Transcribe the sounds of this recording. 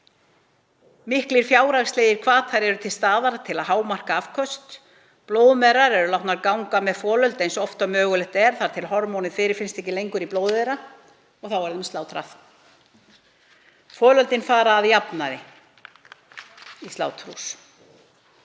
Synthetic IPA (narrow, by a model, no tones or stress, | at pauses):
mɪhkliɾ̥fjaːwɾaɣst̪leːjɪɾ̥kʰvaːt̪ʰaɾɛɾʏt̪ʰɪlst̪aːðaɾat̪ʰɪlaðɦaːwmar̥kaafkʰœst̪ | ploːwðmɛɾaɾɛɾʏlawht̪naɾkawŋkamɛðfɔːlœlt̪ejnsɔft̪amœːɣʏlɛht̪ɛɾ̥θaɾ̥t̪ʰɪlɦɔɾmɔwnɪfɪːɾɪɾ̥fɪnst̪ɛhcɪlejŋkʏɾiploːwðeɾa | ɔɣθawɛɾðɪmst̪aːwt̪ʰɾa̰θ | fɔːlœlt̪ɪnfaːɾaːðjapnaɾɪ | ist̪a̰ːwt̪ʰɾus